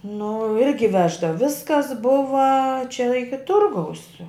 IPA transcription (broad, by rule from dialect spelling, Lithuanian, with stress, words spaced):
nʊ ˈɪrʲɡʲɪ ˈʋʲæːʒdɐw ˈʋʲɪskɐs ˈbʊʋɐ t͡ʃʲɛ ˈɪkʲɪ ˈtʊrɡɐʊs